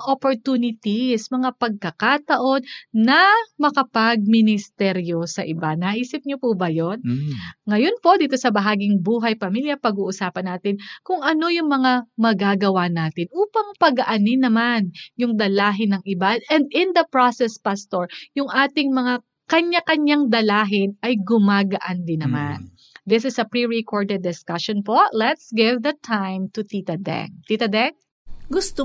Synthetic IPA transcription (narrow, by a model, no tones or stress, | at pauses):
ʔopoɹt̪uːnɪt̪ismɐŋapɐɡ̚kɐkat̪ɐʔo̞d̪nɐmɐkɐpɐɡ̚mɪnɪst̪ɛɾjo̞sɐʔɪbanɐʔiːsɪp̚ɲopuːbɐjonŋɐjo̞npo̞d̪iːt̪o̞sɐbɐɦaːɡɪŋbuːɦɐjpɐmiljɐpɐɡuːʔʊsaːpɐnːaːt̪ɪnkʊŋɐno̞jʊŋmɐŋamɐɡaːɡɐwanaːt̪ɪnʔuːpɐŋpɐɡɐʔɐnɪnɐmanjʊŋd̪ɐlaːɦɪnɐŋɪbaɛnd̪ɪnd̪ɐpɹasɛspast̪oɹjʊŋʔaːt̪ɪŋmɐŋa | kɐɲːakɐɲaŋd̪ɐlaːɦɪnʔɐjɡʊmaːɡɐʔɐnd̪ɪnːɐman | d̪ɪsɪsɐpɹiɹikʰoɹd̪ɛd̪ːɪskɐʃɔnpolɛt̪sɡɪvðɐt̪ʰãjmt̪ʊt̪it̪ɐd̪ɛ̰ŋ̚t̪it̪ɐd̪ɛŋ̚ | ɡʊst̪o